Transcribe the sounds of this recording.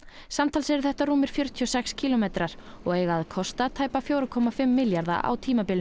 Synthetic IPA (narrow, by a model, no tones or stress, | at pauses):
samt̪ʰalsɛɾɪɾθɛht̪aɾuːmɪɾ̥fjœɾ̥t̪ʰiɔsɛkscʰiːlɔmejt̪ɾaɾ̥ | ɔɣejɣaðkʰɔst̪at̪ʰaːjpafjoːwɾakʰɔmafɪmːɪljaɾða̰ʔa̰wt̪ʰiːmapɪlɪ